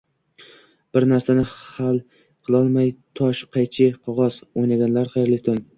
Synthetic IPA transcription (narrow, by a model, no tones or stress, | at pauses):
b̥ɪɾnaɾsanɪhalˠ | qʰɨlˠɒlˠmajt̪ʰɒʃqʰɑjt͡ʃʰɪqʰɒʁɒzojnaɡʲanlaɾqʰɑjeɾlɪkʲt̪ʰoŋ